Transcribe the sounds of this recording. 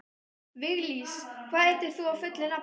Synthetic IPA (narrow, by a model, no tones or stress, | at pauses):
vɪɣliskʰvaːðɛht̪ɪɾ̥θuavfʏt̪lɪna